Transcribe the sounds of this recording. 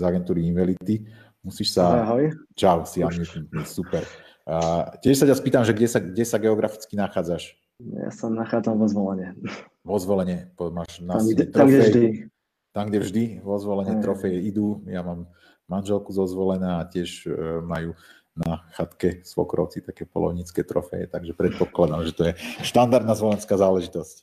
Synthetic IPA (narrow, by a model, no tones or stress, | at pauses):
zaɡɛnt̪uːɾiinʋalit̪i | musiːʃsaɦɔjt͡ʃaʊsiamiɛt̪supɛɾ | cɪɛʃsacaspiːt̪amʒɛɡɟɛsaɡɟɛsaɡɛɔɡɾafi̥t͡skinaxaːd͡zaʃ | ja̰sɔmnaxaːd͡zamvɔzʋɔlɛɲɛ | ʋɔzʋɔlɛɲɛpɔmaːʒnaɛt̪ɾɔɡɛɛjd̪i | t̪amɡɟɛvʒd̪iʋɔzʋɔlɛɲɛt̪ɾɔfɛjɛid̪uːjamaːmː | anʒɛlkuzɔzʋɔlɛnaːacɪɛʒmajuː | naxat̪kɛsʋɔ̰kɾɔ̰ʊt͡sit̪akɛːpɔ̰lɔ̰ʊɲit͡skɛːt̪ɾɔ̰fɛ̰jɛ̰t̪aɡʒɛpɾɛt̪̚pɔklad̪amʒɛt̪ɔjɛʃt̪and̪aɾd̪nazʋɔlɛnskaːzaːlɛʒit̪ɔsc